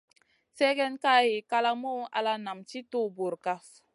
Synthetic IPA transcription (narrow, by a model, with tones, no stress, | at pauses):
sɛ˦ɡɛ˦nka˦ji˨ka˦la˦mo˦ʔa̰˨la˦na˨mt͡ʃi˦to˦˨bo˨ɾka˦s